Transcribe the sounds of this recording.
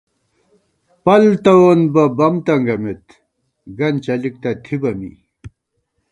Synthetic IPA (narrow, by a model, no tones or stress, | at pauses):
pɐlt̪ɐwonbɐbɐmt̪ɐŋɡɐmet̪ | ɡɐnt͡ɕɐlik̚t̪ɐt̪ʰibɐmḭ